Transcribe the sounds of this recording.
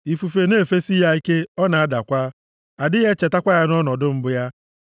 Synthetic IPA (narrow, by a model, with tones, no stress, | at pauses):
i˨fu˨fe˨ne˦˨fe˦si˦ɦa˦i˦ke˦ɔ˦na˨a˦da˨kʷa˦ | a˨dɪ˦ɣe˦t͡ʃe˨ta˦kʷa˦ja˦nɔ˦nɔ˨dʊ˦m̩˦bʊ˦ja˦